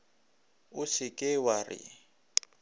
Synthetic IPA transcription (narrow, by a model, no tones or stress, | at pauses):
ʊsɪkʼɪwarɪ̰